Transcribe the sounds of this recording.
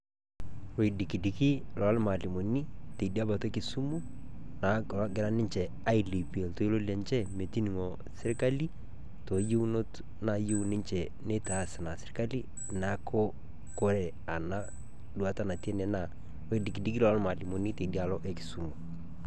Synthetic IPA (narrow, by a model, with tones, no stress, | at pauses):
we˨i˨di˨ki˨di˨ki˦lɔ˨a˦lma˨li˨mo˨ni˦te˨di˦a˦ba˨to˦e˦kɪ˨su˦mu˦ | na˨˦ɡɪ˨ɾa˦nɪ˦ɲt͡ʃɛ˨ | a˦i˨li˨pe˨lto˦i˦lo˦li˦a˨nt͡ʃɛ˦me˨ti˦ni˨ŋɔ˨ | sɪ˦ɾka˦li˦ | to˨je˦u˦no˦t | na˨jo˦u˨nɪ˦ɲt͡ʃɛ˨ | ne˦ta˨˦˨sa˨na˨sɪ˨ɾka˦li˦ | na˨˦kʰo˦ | ko˦ɾɛ˨ | a˨na˦ | du˨a˦ta˦na˨ti˦e˦nɛ˨na˨ | we˨i˨di˨ki˨di˦ki˦lɔ˨a˦lma˨li˨mo˨ni˦te˨di˦a˨lɔ˦ʔe˦ki̥˨su˨mu˨